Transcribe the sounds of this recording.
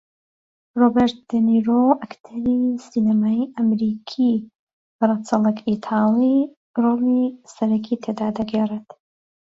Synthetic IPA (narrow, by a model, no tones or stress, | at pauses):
robeɾt̪̚d̪̥ɛniɾoʔɐkt̪ʰɐɾisinɐmaːiʔɐmɾiːkʰi | brət͡sɑlˠəkit̪ʰaːli | roːlisɐɾɐkʰit̪ʰed̪aːd̪ɐɡeret̪